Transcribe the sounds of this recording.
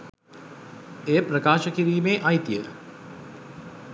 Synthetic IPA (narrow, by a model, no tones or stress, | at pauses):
eːpɾəkaːʃəkiɾiːmeːʔajt̪ijə